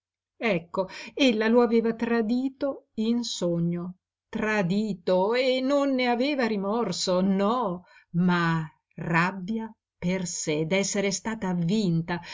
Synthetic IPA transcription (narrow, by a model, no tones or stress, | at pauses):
ɛkːoelːaloaveːvat̪ɾad̪iːt̪oinsoɲːo | t̪ɾad̪iːt̪oenːonːeaveːvaɾimɔrsonɔma | rabːja | persed̪ɛsːeɾest̪aːt̪aːvːint̪a